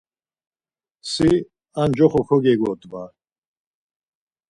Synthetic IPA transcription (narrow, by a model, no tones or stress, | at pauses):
si | and͡ʒɔχɔkʰɔɡɛɡɔt̪ʼba